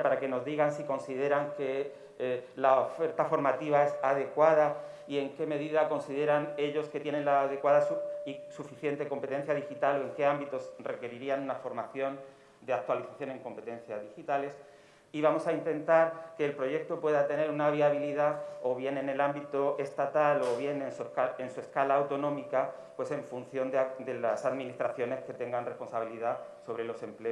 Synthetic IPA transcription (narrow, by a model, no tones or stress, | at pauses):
paɾake̞no̞zðiɣansiko̞nsið̞e̞ɾaŋke̞ | laofe̞ɾt̪afo̞ɾmat̪iβae̞saðe̞kwaða | ie̞ŋke̞me̞ðiðako̞nsiðe̞ɾane̞ʎo̞sket̪je̞ne̞nlaːðe̞kwaðasuisufiθje̞nt̪e̞ko̞mpe̞t̪e̞n̟θjað̞ixit̪alo̞e̞ŋke̞ambit̪o̞sre̞ke̞ɾiɾianunafo̞ɾmaθjo̞n | d̪eak̚t̪waliθaθjo̞nẽ̞ŋkõ̞mpe̞t̪ẽ̞n̟θjazðixit̪ale̞s | iβamo̞saint̪ẽ̞nt̪aɾke̞ːlpɾo̞ʝe̞k̚t̪o̞pwe̞ðat̪e̞ne̞ɾunaβ̞iaβ̞iliðao̞βje̞ne̞ne̞lambit̪oest̪at̪alo̞βje̞nenskaensue̞skalaːwt̪o̞nõ̞mika | pwe̞se̞ɱfun̟θjo̞nd̪d̪e̞lasaðmĩnist̪ɾaθjo̞ne̞ske̞t̪e̞ŋɡanre̞spo̞nsaβ̞iliðaso̞βɾe̞lo̞se̞mple